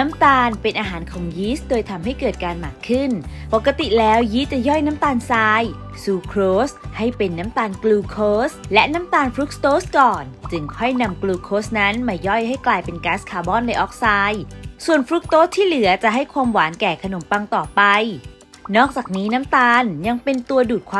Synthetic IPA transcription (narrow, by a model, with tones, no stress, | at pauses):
na˦˥mt̪aː˧npe˧nʔaː˧ɦaː˩˦nkʰɔː˩˦ŋjiː˦˥sdoː˧jt̪ʰa˧mɦa˥˩jkɤː˨˩t̪̚kaː˧nmaː˨˩kʰːɯ˥˩npɔ˨˩kːa˧t̪i˨˩lɛː˦˥wjiː˦˥t͡ɕa˨˩jɔ˥˩jna˦˥mt̪aː˧nsaː˧j | suː˧kʰɾoː˦˥sha˥˩jpe˧nːa˦˥mt̪aː˧nkluː˧kʰoː˦˥slɛ˦˥ʔna˦˥mt̪aː˧nfɾu˦˥k̚t̪oː˦˥skɔː˨˩nt͡ɕɯ˧ŋkʰɔ˥˩jna˧mkluː˧kʰoː˦˥sna˦˥nmaː˧jɔ˥˩jha˥˩jklaː˧jpe˧nkaː˦˥skʰaː˧bɔː˥˩nla˧jʔɔː˦˥k̚saː˧jsu˨˩ənfɾu˦˥k̚t̪oː˦˥st̪ʰiː˥˩lɯ˩˦ɐt͡ɕa˨˩ʔɦa˥˩jkʰwaː˧mwaː˩˦nkɛː˨˩kʰa˧no˩˦mpa˧ŋt̪ɔː˨˩pa˧j | nɔː˥˩k̚t͡ɕaː˨˩k̚niː˦˥na˦˥mt̪aː˧nja˧ŋpe˧nt̪u˧ɐduː˨˩t̪̚kʰwaː˧